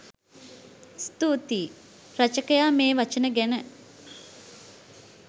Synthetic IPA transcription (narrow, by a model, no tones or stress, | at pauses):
st̪uːt̪iː | ɾɐt͡ʃəkəjaːmeːʋat͡ʃənəɡænə